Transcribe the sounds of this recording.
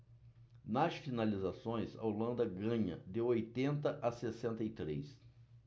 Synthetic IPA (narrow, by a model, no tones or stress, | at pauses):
nɐsfinalizasõj̃zɐ̰olɐ̃nd̪ɐɡɐ̃ɲɐ̰d̪ɪojt̪ẽnt̪ɐʔasesẽnt̪ɐit̪ɾejs